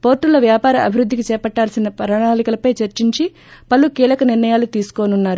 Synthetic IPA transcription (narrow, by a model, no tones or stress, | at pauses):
po̞ːɾʈːulɐʋjaːpaːɾɐʔɐbʱiɾud̪ːikit͡ʃɛːpɐʈːaːlsinɐpɐɾɐɳaːlikɐlɐpɐjt͡ʃɐɾt͡ʃiɲt͡ʃi | pɐlːukiːlɐkɐniɾnɐjaːlut̪iːsu̥koːnunːaːɾu